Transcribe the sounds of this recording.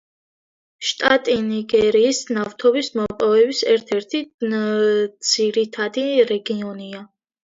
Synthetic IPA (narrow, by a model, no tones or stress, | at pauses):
ʃt̪ʼat̪ʼiniɡɛɾiːsnaft̪ʰɔbismɔpʼɔvɛbisɛɾt̪ʰɛɾt̪ʰi | d̪z̥iɾit̪ʰad̪iɾɛɡiɔnia